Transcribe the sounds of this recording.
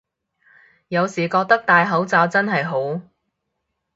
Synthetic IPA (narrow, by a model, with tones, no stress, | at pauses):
jɐ˨˧wsiː˨˩kɔː˧k̚t̪ɐ˥k̚t̪aː˨jɦɐ˨˥wt͡saː˧wt͡sɐ˥nɦɐ˨jɦo˨˥w